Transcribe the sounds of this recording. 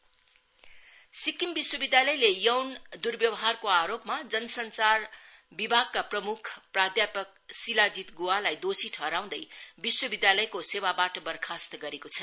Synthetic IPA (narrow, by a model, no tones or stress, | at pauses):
sikimbiswʌbid̪jalʌjlejʌwnd̪urbjʌwʌɦarkoaɾopmad͡zʌnʌsʌnt͡sar | bibʱaɡ̚kaprʌmukʰprad̪japʌk̚silad͡zit̪ɡualajd̪osiʈʰʌɾaw̃d̪ʌjbiswʌbid̪jalʌjkosewabaʈʌbʌrkʰast̪ʌɡʌɾekot͡sʰʌ